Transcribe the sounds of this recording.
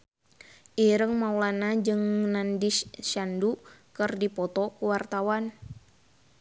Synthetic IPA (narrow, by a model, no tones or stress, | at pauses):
ʔiɾəŋmaulanad͡ʒɨŋnandiʃandukɨrdipɔt̪ɔkuwart̪awan